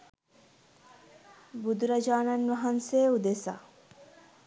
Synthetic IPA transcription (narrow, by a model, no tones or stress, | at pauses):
bud̪ɾɐd͡ʒaːnɐnʋɐɦɐnseːud̪esa̰